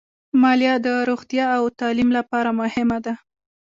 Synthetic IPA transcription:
mɑljɑd̪əɾoɣt̪jɑːwt̪ɑlimlapɑɾamʊhɪmad̪a

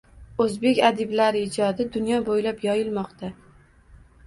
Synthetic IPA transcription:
ɵzbe̞kʲad̪ɪblaɾɪɪd͡ʒɒd̪ɪd̪ʊnjɒbojlapjɒjɪlmɒqt̪ʰa

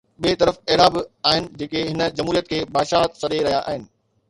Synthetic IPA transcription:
ɓiet̪ɐɾəfɛːɽaːbɪaːɦɪnɪ̆d͡ʑeːkeɦɪnə̆d͡ʑɐmɦuːɾijət̪̚kʰeːbaːʃaːsɐɗeɾɐɦijaʔaːɦɪnɪ̆

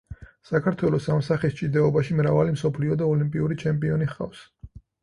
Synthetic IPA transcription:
sakʰaɾt̪ʰwɛlˠɔsamsaχist͡ʃʼid̪ɛɔbaʃimɾavalimsɔpʰliɔd̪aɔlimpʼiuɾit͡ʃʰɛmpʼiɔniχqʼa̰fs

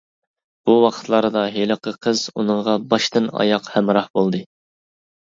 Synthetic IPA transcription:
b̥uwɑqʰə̥t̪ʰlˠɑɾɨd̪ɑɦelˠəqʰəqʰəzṵnɨɴʁɑbɑʃt̪ɨnɑ̰jɑqhɛmɾɑhbolˠd̪ɨ

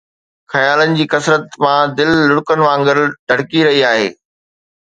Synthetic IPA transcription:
xɐjaːlənɪ̆d͡ʑiːkɐsɾət̪mãd̪ɪlːʊɽkənɪ̆ʋãːŋɡɪɾɖʱɐɽkiɾɐɦiaːɦḛː

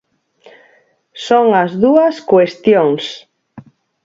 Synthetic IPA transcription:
soŋazðuaskwest̪joŋs

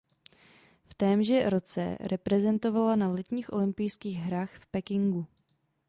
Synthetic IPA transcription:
ft̪ɛːmʒɛɾo̞t͡sɛ̰ɾɛpɾɛzɛnt̪o̞valanalɛt̪ɲiːxʔo̞̰lɪmpɪjskiːɣɦɾaːxfpɛkɪŋɡu

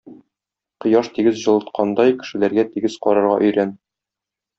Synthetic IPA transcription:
qɤ̆jɑʃt̪iɡɘzʑɤ̆lˠɤ̆t̪̚qʰɑnd̪ɑjkɘ̥̆ʃɘ̆læɾɡæt̪iɡɘzqɒ̰ɾɑ̆ɾʁɑ̰ʔɵ̆jɾæn

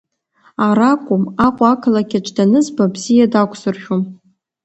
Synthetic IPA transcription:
aɾakʷʼʊmaqʷʼakʰɨlakʲaʈ͡ʂʰʼdanɨzbabzijadakʷʰʼsɨrʃᶣom

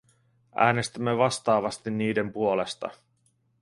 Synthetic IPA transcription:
ʔæ̰ːne̞st̪æmːeʋɑst̪ɑːʋɑst̪inːiːde̞mpuo̞lest̪ɑ̰

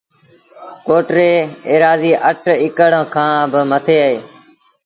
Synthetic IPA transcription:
koːʈɾeːeːɾaːziːʔəʈʰɪkəɽə̃ːkʰãːbəmət̪ʰeːəɦeː

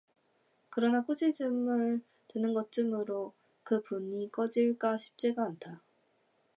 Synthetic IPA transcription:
kɯɾʌnak͈ud͡ʑid͡ʑɯmɯɭ | tɯnɯnɡʌt͡ɕ͈ɯmɯɾo | kɯpuɲik͈ʌd͡ʑiɭk͈aɕʰi̥p̚t͡ɕ͈e̞ɡaːntʰa

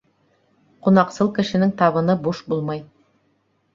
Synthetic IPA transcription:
qunɑqsɤlˠkɘ̆ʃɘ̆nɘŋt̪ɑβɤ̆nɤbuʃbulˠmɑj

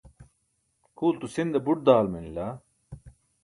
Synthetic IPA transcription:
kʰuːlt̪usind̪ɐbuʈ̚d̪aːlmɐnilɐ

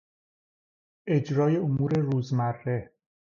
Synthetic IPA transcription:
e̞d͡ʒɾɒːje̞omuːɾe̞ɾuːzmærːe̞

